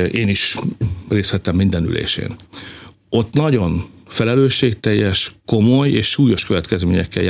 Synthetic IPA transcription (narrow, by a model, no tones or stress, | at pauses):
eːniʃreːst̪hɛt̪ɛmːind̪ɛny̰lḛːʃḛːn | o̞t̪ːnɒɟo̞nfɛlɛløːʃːeːk̚t̪ɛjːɛʃko̞mo̞jeːʃːuːjo̞ʃkø̞vɛt̪kɛzmeːɲɛkːɛ̰ja